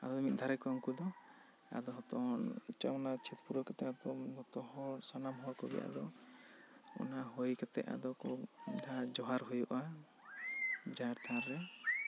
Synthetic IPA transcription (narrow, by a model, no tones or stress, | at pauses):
a̰d̪ɔɔmit̪̚ˀd̪ʱaɾɛkɔŋkud̪ɔ | a̰d̪ɔɦɔt̪ɔnt͡ʃamɔnat͡ʃʰit̪puɾɔkat̪ɛat̪ɔɔt̪ɔhɔsɔnamɦɔɾkɔɡɛ̰ʔa̰d̪ɔ | ɔ̰naɦojkat̪ɛ̰ʔa̰d̪ɔkɔɖad͡ʒɔɦaɾɦujuʔa | d͡ʒaɾt̪ʰaɾːɛ